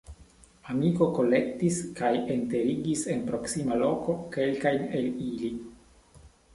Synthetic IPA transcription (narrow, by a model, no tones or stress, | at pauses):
amiko̞ko̞le̞ktiskajente̞ɾiɡise̞npɾo̞ksimalo̞ko̞ke̞lkajne̞lili